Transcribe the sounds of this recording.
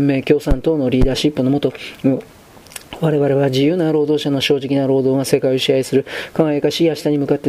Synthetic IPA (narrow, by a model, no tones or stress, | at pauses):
mːe̞ːkʲo̞ːsãnt̪o̞ːno̞ɾʲiːd̪aːɕipːɯno̞mo̞t̪o̞ | βaɾe̞βaɾe̞βad͡ʑijɯ̟ːnaɾo̞ːd̪o̞ːɕano̞ɕo̞ːʑikʲinaɾo̞ːd̪o̞ːɡase̞kaioɕiaisɨɾɯ̟kãɰajakaɕiaɕi̥t̪aɲ̟imɯ̟kat̪ːe